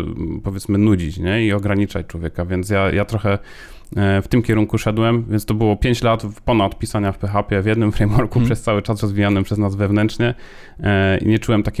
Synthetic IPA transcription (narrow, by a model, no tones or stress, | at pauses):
pɔvʲjɛt̪smɘnud͡ʑit͡ɕɲɛiɔɡɾaɲit͡ʂat͡ɕt͡ʂwɔvʲɛkavʲjɛnt̪sjajʔat̪ɾɔxɛ | ft̪ɘmkʲɛɾuŋkuʂɛd̪wɛmvʲɛnst̪ɔbɘwɔpʲjeɲt͡ɕlat̪pɔnat̪pʲisaɲafpɛxapʲjɛvʲjɛd̪nɘmfɾɛjmwɔɾkupʂɛst̪sawɘt͡ʂasɾɔzvʲijanɘpʂɛznazvɛvnɛntʂɲɛ | ḭɲɛt͡ʂuwɛmt̪akʲ